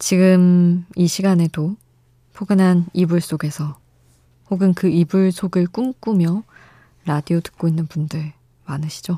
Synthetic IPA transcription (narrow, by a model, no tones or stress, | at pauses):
t͡ɕiɡɯmiɕʰiɡane̞do | pʰoɡɯnɦanibuɭs͈oɡe̞sʰʌ | hoɡɯnkɯibuɭsʰoɡɯɭk͈umk͈umjʌ | ɾadiotɯ̥k̚k͈oinːɯnpundɯɭ | manɯɕʰi̥d͡ʑo